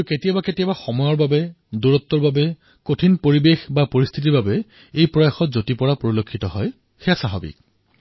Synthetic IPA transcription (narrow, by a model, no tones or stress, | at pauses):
ketijabaketijabaxɔmɔjɔɹbabɛ | duɹɔt̪ːɔɹbabɛ | kotʰinpoɹibexbapoɹist̪ʰit̬iɹbabɛ | ejpɹɔjaxɔtzotipɔɹapoɹilokʰːitɔɦɔj | xeasaɦɔbḭk̚